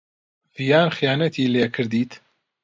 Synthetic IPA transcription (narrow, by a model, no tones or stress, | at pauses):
v̥ijaːnxijaːnɐt̪ʰiːleːkʰɨɾd̪iːt̪